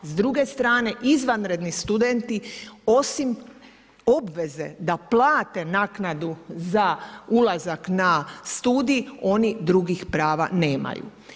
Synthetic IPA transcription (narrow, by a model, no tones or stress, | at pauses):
zd̪ɾuɡe̞st̪ɾaːne̞ʔizʋanɾe̞d̪nist̪ud̪ent̪io̞sim | o̞bʋe̞ze̞̰d̪aplˠaːt̪e̞naːknad̪uzaulazaknast̪uːd̪ijio̞nid̪ɾuɡixpɾaːʋa̰ne̞ːma̰jṵ